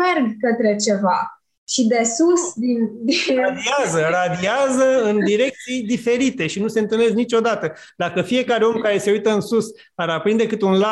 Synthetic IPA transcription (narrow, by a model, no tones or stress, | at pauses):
erɡkət̪ɾe̞t͡ʃe̞va | ʃid̪e̞susd̪ind̪iad̪iazərad̪iazəɨnd̪iɾe̞k̚t̪sijd̪ife̞ɾit̪e̞ʃinuse̞ɨnt̪ɨlne̞znit͡ʃo̞d̪at̪ə | d̪akəfije̞kaɾeo̞mkaɾe̞se̞ujt̪əɨnsus | aɾapɾind̪e̞kɨt̪unla